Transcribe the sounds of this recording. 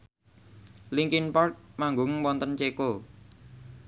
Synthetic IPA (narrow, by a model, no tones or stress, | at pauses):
liŋkinpɔrt̪̚maŋɡʊŋwɔnt̪ənt͡ʃeko